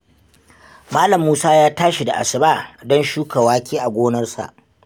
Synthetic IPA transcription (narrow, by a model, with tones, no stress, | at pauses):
maː˦lɐ˨mːuː˦saː˦jaː˦taː˦ʃi˨da˨ʔa̰˨sɪ˨baː˦˨dɔ˦nʃuː˦ka˨waː˦kʲiː˦ʔa˨ɡʷoː˦nɐ˦rsa̰˨ʔ